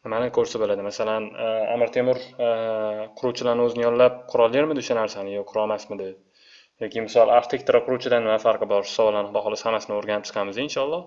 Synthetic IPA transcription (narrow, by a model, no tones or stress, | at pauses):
nɪmanɪkʰɵɾsɪbolad̪ɪmasalana̰mɪɾt̪ʰe̞mɪɾ | qʰʊɾuwt͡ʃʰɪlaɾnɪɵzɪnɪjɒnlap̚qʰʊɾɒljeɾmɪd̪ʊʃanaɾsanɪjoqʰʊɾɒlmasmɪd̪ɪ | jɒkʲɪmɪsɒlˠaft̪ʰekʲt̪ʰɪɾaqʰʊɾuwt͡ʃʰɪd̪anːɪmafaɾqɨbɒɾ̥sɒvɒlanɪχd̪ɒhɒlˠɪshamːasɪnɪoɾɡʲanɪp̚t͡ʃʰɨ̥qʰɑmɪzinʃɒlˠːɒ